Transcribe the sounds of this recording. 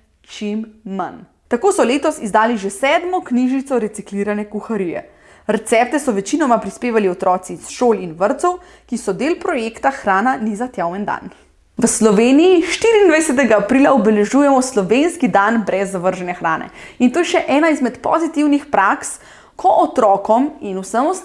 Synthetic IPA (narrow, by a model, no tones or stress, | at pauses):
t͡ʃimːa̰n | t̪akoːsɔleːt̪ɔsizd̪aːliʒɛsɛːd̪mɔkniʒnit̪sɔɾɛt̪sikliːɾanɛkuxaɾijɛ̰ | ɾɛt̪sɛp̚t̪ɛsɔʋɛt͡ʃinɔmapɾispeːʋaliɔt̪ɾɔːt̪sisʃoːlinʋəɾt̪sɔw | kisɔd̪eːlpɾɔjekt̪axɾaːnanizat̪jawɛnd̪a̰n | ʋəslɔʋeːnijiʃt̪iɾiːnd̪ʋajsɛt̪̬ɛɡaːpɾiːlaɔbɛlɛʒuːjɛmɔslɔʋenskid̪anbɾɛzːaʋəɾʒɛnɛxɾaːnɛ̰int̪oːjɛʃɛʔɛːnaizmɛt̪pɔ̰zit̪iwnixpɾʔaks | kʰɔʔɔt̪ɾɔːkɔminusəmɔ